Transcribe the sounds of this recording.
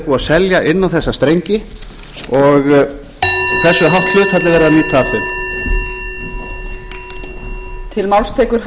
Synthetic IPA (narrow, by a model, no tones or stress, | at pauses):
puːasɛljaʔɪnːawθɛsːast̪ɾejɲcɪ | ɔɣ | kθɛsːʏɦawht̪l̥ʏːt̪hɛt̪lɪvɛːɾɪðaniːt̪ʰaaθʏm | t̪ʰɪlmawlst̪ʰeːjkʏɾ̥h